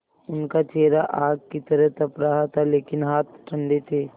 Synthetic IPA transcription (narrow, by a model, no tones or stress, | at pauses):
ʊnkat͡ʃeːɾaʔaːɡkit̪əɾəɦt̪ɐpɾaɦat̪ʰaleːkɪnɦaːt̪̚ʈʰə̃ɳɖet̪ʰeː